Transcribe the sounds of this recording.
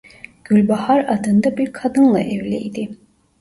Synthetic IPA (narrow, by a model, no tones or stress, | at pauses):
ɡ̥ylʲbahaɾad̪ɯnd̪abiɾkʰad̪ɯnlˠɑ̰ʔɛvlʲɛ̰jd̪i